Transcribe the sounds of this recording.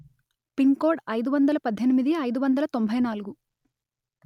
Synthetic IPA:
piŋkoːɾɖɐjd̪uʋɐnd̪ɐlɐpɐd̪ʱːenimid̪iɐjd̪uʋɐnd̪ɐlɐt̪o̞mbʱɐjnaːluɡu

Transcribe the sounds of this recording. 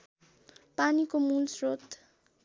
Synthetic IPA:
panikomulsrot̪

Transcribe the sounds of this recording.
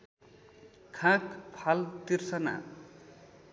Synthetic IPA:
kʰãkpʰalt̪irsʌna̰

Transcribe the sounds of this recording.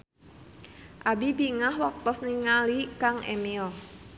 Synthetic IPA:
ʔabibiŋahwɔk̚t̪ɔsniŋalikaŋʔḛmil

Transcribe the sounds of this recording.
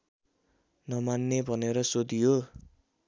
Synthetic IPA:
nʌmanːebʱʌneɾʌsod̪ijo

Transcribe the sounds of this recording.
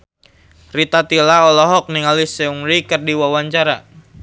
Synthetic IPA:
rit̪at̪ilaɔlɔɦɔk̚niŋalisɛuŋɾikərdiwawaɲt͡ʃaɾa

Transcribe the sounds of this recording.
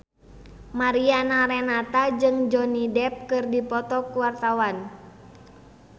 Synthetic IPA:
maɾianaɾɛnat̪ad͡ʒɨŋd͡ʒɔnidɛp̚kɨrdipɔt̪ɔkuwart̪awan

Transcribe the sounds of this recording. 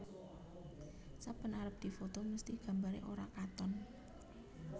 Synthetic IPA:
sapənaɾəp̚d̪̥i̤fot̪oməst̪ihɡ̥a̤mbaɾḛʔoɾakat̪ɔn

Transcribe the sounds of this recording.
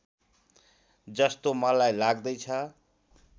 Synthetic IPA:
d͡zʌst̪omʌlajlaɡd̪ʌjt͡sʰʌ

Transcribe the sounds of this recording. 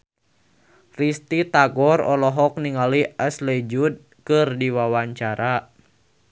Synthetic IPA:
rist̪it̪aɡɔrɔlɔɦɔk̚niŋaliaslɛd͡ʒud̪̚ | kɨrdiwawaɲt͡ʃaɾʔa

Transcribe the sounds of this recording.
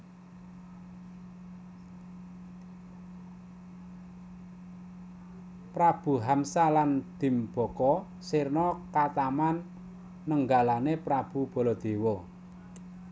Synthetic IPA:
pɾab̥ṳɦamsaland̪̥i̤mb̥ɔ̤kɔ | sirnɔkat̪amanː | əŋɡalanepɾab̥ub̥ɔ̤lɔd̪̥e̤wɔ

